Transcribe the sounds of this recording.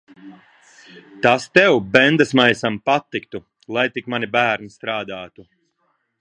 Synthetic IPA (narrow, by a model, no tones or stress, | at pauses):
t̪ast̪ɛwbɛnd̪asmajsampat̪ːikt̪u | lˠajt̪ikmanibæːɾnist̪ɾaːd̪aːt̪u